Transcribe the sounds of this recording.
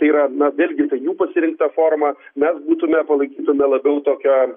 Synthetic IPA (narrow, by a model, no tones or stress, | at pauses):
t̪ɐɪiːɾɐnɐʋʲeːlʲɡʲɪt̪ɐɪjuːpɐsʲɪɾʲɪŋk̚t̪ɐfoːrmɐmʲɛsbuːt̪ʊmʲɛpɐlˠɐɪkʲiːt̪ʊmʲɛlˠɐbʲɛʊt̪oːkʲoː